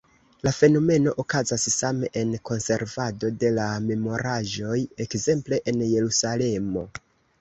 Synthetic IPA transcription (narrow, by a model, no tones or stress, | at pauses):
lafe̞no̞me̞no̞ʔokazassame̞ʔenko̞nse̞ɾvado̞de̞lame̞mo̞ɾaʒo̞je̞kze̞mple̞ʔenje̞ɾusale̞mo̞